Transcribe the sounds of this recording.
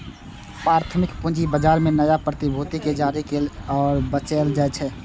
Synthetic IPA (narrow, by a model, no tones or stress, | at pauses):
pɾaːɾt̪ʰəmɪkpʊ̃d͡ʒibəd͡ʒaːɾmẽnəjapɾət̪ɪbʱoːt̪iked͡ʒaːɾikelɔːɾbət͡ʃeːld͡ʒat͡ʃʰɛː